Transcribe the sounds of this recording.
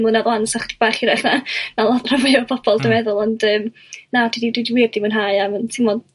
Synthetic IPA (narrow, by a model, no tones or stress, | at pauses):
munaðlˠansaχdi̥b̥aːχiɾɛχnanalˠɔðrɔvɪɔpʰɔb̥ʰɔlˠdəmɛðʊlˠɔndəːm | natʰididwidiwɪːb̚dimuːnɦaɨaməntʰɪmɔd